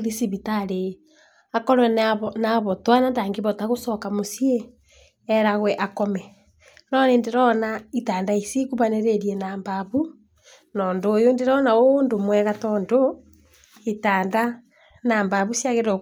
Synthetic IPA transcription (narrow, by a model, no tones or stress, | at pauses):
ɾisiβitaɾe | akɔɾwɛβnaβɔtwanandaːŋɡeβɔtaɣosɔkamosieː | ɾaɣwɛʔakɔmɛ | nɔneːndeɾɔnaitaːndaisikuβaneɾeɾienambaβu | nɔndoːjondeɾɔnaoːndomwɛɣatɔndo | etaːnda | naːmbaβusjaɣeɾo